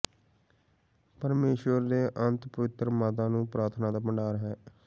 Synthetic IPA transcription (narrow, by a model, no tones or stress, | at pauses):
pəɾmeːʃʋəɾd̪eːʔənt̪pəʋɪt̪ɾmaːt̪ãːnũːpɾaːɾt̪ʰnãːd̪aːpəɳɖaːɾɦɛː